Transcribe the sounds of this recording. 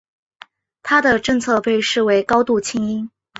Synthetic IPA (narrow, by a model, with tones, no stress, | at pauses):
t̪ʰa˥d̪ə˨ʈ͡ʂɤ˥˧ŋt͡sʰɤ˥˧pe˥˧ɪʂɻ̩˥˩we˧˥ɪkɑ˥ʊt̪u˥˩t͡ɕʰi˥ŋi˥n